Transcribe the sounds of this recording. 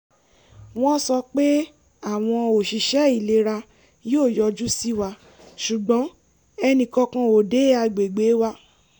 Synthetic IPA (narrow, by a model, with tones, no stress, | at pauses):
w̃ɔ̃˦sɔ˧k͡pe˦ | a˦˨w̃ɔ̃˧o˨ʃi˨ʃɛ˨˦i˨le˧˦ɾa˧ | joː˦˨jɔ˧d͡ʒu˦si˦wa˧ | ʃu˨ɡ͡bɔ̃˨˦ | ɛ˧nĩ˨kɔ˧kã˧o˨de˨˦a˧ɡ͡be˨ɡ͡be˨˦wa˦